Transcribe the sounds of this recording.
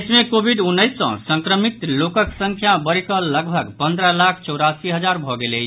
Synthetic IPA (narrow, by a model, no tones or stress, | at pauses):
smekobʱiɖunːəɪsːə̰̃sə̃ŋkɾəmit̪lokəksə̃ŋkʰjabəɾikəlːəɡbʱəɡpə̃nd̪ɾəlakʰt͡ʃəwɾasiɦəd͡ʒaɾbʱɔɡelejt͡ʃʰ